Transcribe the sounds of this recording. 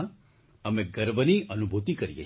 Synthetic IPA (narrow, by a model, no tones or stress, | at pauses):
əmeɡəɾbʱəniʔənubʱut̪ikəɾijḛ